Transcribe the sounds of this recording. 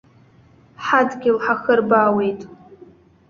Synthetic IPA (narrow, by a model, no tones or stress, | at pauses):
ħadɡʲɪlħaxərbaːwe̞jtʼ